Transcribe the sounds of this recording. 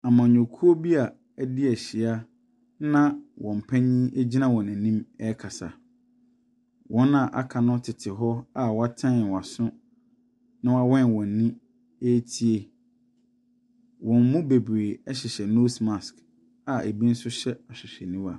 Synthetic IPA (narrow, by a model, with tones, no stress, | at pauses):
a˨mã˨ɲᶣõ˨kʰu˦o˦bi˦a˨˦ | dɪ˦ɛ˨ɕɪ˨a˦ | nã˦wʔɔ̃˨m̩˨pʰɛ̃˦ɲĩ˦ʔe˦d͡ʑi˦nã˦wɔ̃˨næ̃˨nĩ˦mɛ˦kʰa˨sa˨ | wʔɔ̃˦nã˨ʔa̰˨kʰa˨nʊ̃˦tʰɪ˨tʰɪ˨ɦɔ˦a˦wɔ˨˦a˦tʰã˦n˨wa˨sʊ̃˦ | nã˦wa˦wɔ̃˦n˨wɔ̃˨n˨nĩ˦ | e˦tʰi˦e˨ | wɔ̃˨m˦mũ˦be˨bɾeː˨ɛ˦ɕɪ˨ɕɛ˨no˦smã˨sk | a˨e˨bĩ˦n̩˦sʊ˦ɕɛ˦a˨ɕᶣɪ˨ɕᶣɛ˨nĩ˦wa˨